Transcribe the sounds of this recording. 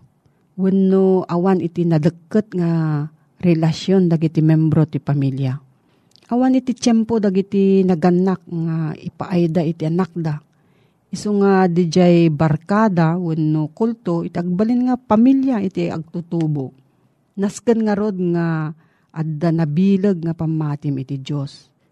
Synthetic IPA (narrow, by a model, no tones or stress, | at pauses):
wənːoʔawanɪt̪ɪnɐd̪əkːɨt̪̚ŋa | ɾɛlasjond̪aɡit̪ɪmɛmbɾot̪ɪpamilja | ʔawanɪt̪ɪt͡ʃɛmpod̪aɡit̪ɪnɐɡanːak̚ŋaɪ̰pa̰ʔajd̪aʔɪt̪ɪʔanak̚d̪a | ʔɪsoŋad̪ɪd͡ʒajbaɾkaːd̪awʊnːokult̪oɪt̪ɪʔɐɡ̚balɪnŋapamiljaɪt̪iɐ̰ɡ̚t̪ut̪ubo | naskɨnŋaɾod̪̚ŋa | ʔad̪anabiːlɨɡ̚ŋapamːaːt̪ɪmɪt̪id͡ʒjos